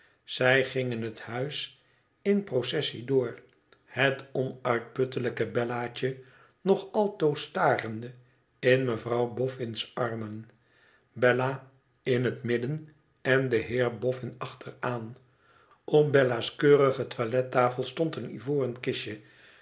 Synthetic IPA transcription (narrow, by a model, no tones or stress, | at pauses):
z̥ɛjχɪŋənɦəthœɥs | ɪnprosɛsidʊːɹ | hətɔnœɥt̚pɵtələkəbɛlaːt͡ʃə | nɔχɑlˠtowstaːrəndə | ɪnməvrɑwbɔfɪnsʔɑrmən | bɛla | ɪnɦətmɪdən | ɛndəɦɪːɹbɔfɪnɑχtəraːn | ɔpbɛlaskøːrəχətʋalɛtaːfəlˠstɔntənḭvoːrənkɪʃə